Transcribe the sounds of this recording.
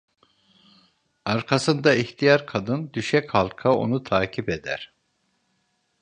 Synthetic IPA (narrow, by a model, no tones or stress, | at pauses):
aɾkʰasɯnd̪aiçt̪ʰijaɾkʰad̪ɯnd̪yʃɛchalˠkʰao̞̰nut̪ʰaːcʰiped̪æ̰ɾ̥